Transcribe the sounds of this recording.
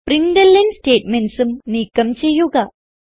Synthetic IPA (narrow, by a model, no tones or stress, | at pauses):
pɾinɖ̪elːensʈeːʈmenʈsumniːkːɐmt͡ʃejːuɡa